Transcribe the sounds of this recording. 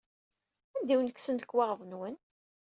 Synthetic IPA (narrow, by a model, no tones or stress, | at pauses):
ænd̪iwnəksənəkːwɑʁðˤənwən